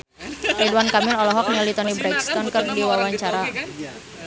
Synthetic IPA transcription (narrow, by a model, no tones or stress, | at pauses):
riduankamɪlɔlɔɦɔk̚ɲalit̪ɔnibɾɛkst̪ɔnkɨrdiwawaɲt͡ʃaɾa